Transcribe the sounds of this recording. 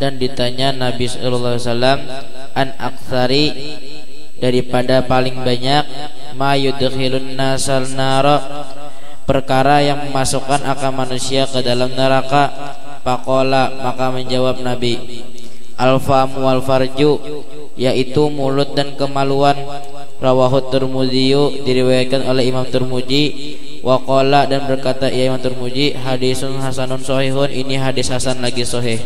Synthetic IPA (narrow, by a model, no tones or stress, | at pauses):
dandit̪aɲanabisɔlalasalam | ʔana̰k̚t̪aɾi | daɾipadapalɪŋbaɲak̚ | majud̪hilʊnːasalnaɾɔ | pərkaɾajaŋməmasukanʔakamanusiakədalamnəɾaka | pakolamakaməɲd͡ʒawap̚nabi | ʔalfamualfard͡ʒu | jaʔit̪umulʊt̪̚dankəmaluan | rawaɦʊt̪ːurmudiudiɾiwajat̪̚kanolɛɦimamt̪ʊrmud͡ʒi | wʔakoladanbərkat̪aʔijaimamt̪urmud͡ʒiɦadisʊnɦasanʊnsoɦiɦʊnʔiniɦadɪshasanlaɡisɔɦɪh